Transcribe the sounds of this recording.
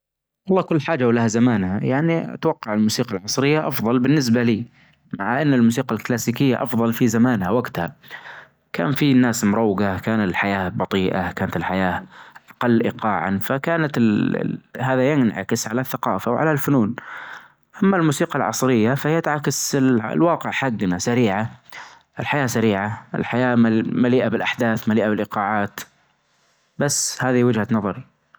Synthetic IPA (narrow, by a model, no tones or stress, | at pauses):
wʔɑlˤːɑːkʊlːħaːd͡ʒawlahazamaːnhajaʕnia̰t̪wɑqːɑʕɪlmuːsiːqɑlʕɑsˤɾɪjːaʔɑfðˤɑlbɪnːɪs̬baliː | maʕaʔanːɪlmuːs̬iːqalklaːsiːkɪjːaʔɑfðˤɑlfizamaːnhawaɡt̪ha | ka̰ːnfinːaːsmʊɾˤɑwːɡakaːnat̪ɪlħajaːbɑt̪ˤiːʔa̰kaːnat̪ɪlħajaːʔʔɑqɑlːʔḭqɑːʕa̰nfakaːnat̪l̰ | haːðajɪnʕa̰kɪsʕalaθːaqɑ̰ːfawʕa̰lalfʊnuːn | ʔamːalmuːsiːqɑlʕɑ̰sˤɾɪjːafajat̪ʕakaslwɑːqɪʕħaɡːnasaɾiːʕa | ʔɪlħajaːsaɾiːʕaʔɪ̰lħajaːmmaliːʔabɪlʔaħd̪aːθmaliːʔabɪlʔɪqɑːʕaːt̪ | basːhaːðiwɪd͡ʒhanɑðˤɑɾˤ